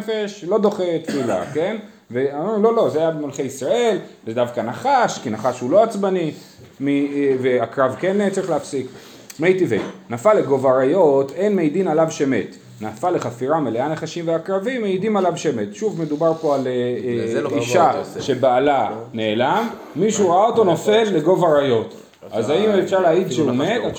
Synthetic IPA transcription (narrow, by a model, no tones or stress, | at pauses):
fe̞ʃlo̞d̪o̞χet̪fila̰ke̞n | veamlo̞lo̞zeajabemalχejisʁae̞lzed̪avkanaχaʃkinaχaʃhulo̞at͡sbani | miveakʁavkenet͡saʁiχleafsik | mejt̪ivḛjnafaleɡo̞vaʁajo̞te̞nmejd̪inalavʃeme̞t̪ | nafale̞χafiʁameleanaχaʃimveakʁavimːeidimalavʃeme̞t̪ʃuvme̞dubaʁpo̞ale | iʃaʃe̞baːlane̞ːlamː | iʃuʁaaoto̞no̞fe̞lːe̞ɡo̞vaʁajo̞t | azaimefʃaʁleaidʃeome̞d̪a